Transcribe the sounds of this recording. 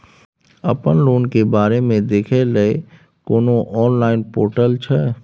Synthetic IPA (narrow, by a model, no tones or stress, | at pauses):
ɐpənloːnkebaːɾemẽd̪eːkʰelɐe | koːnoʔɔːnlaːɪnpoːɾʈəlt͡ʃʰɛ